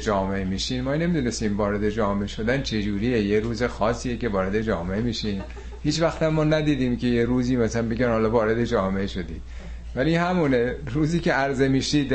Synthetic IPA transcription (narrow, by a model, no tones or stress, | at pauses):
d͡ʒɒːmeʔemiːʃiːnmɒːne̞mid̪une̞st̪iːmvɒːɾe̞d̪e̞d͡ʒɒːmeʃo̞d̪ænt͡ʃʰe̞d͡ʒuːɾiːjejeɾuːze̞xɒːsiːjece̞vɒːɾe̞d̪e̞d͡ʒɒːmeemiʃiːm | hiːt͡ʃvæxt̪æmːɒːnæd̪iːd̪iːmke̞jeɾuːziːmæsælænmbe̞ɡænhɒlɒːvɒːɾe̞d̪e̞d͡ʒɒːmeeʃo̞d̪i̥ː | vælihæmuːneɾuːziːceæɾze̞miːʃiːd̪